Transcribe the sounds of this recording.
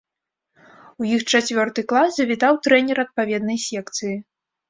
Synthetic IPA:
ujixt͡ʂat͡sʲvʲɔrt̪ɨklˠasːɐvʲit̪awt̪ɾɛnʲɛɾɐt̪̚pavʲɛd̪nɐjsʲɛkt̪sɨji

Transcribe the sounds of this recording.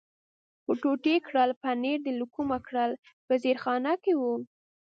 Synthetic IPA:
puʈoʈekɽəlpaneɾd̪əlukumakɽəl | pəzeɾxɑnakewu

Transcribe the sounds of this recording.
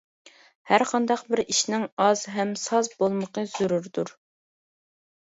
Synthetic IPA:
hæɾqʰɑnd̪ɑq̚bɪɾiʃnɪŋɑzɦɛmsɑzbolˠməqəz̥uɾuɾd̪uɾ

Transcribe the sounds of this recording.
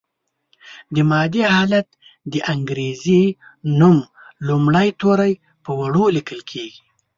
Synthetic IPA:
d̪əmɑd̪ihɑlat̪ | d̪əʔaŋɡɾezenum | lumɽəjt̪oɾaj | pəwaɽolikəlkʰeɡi

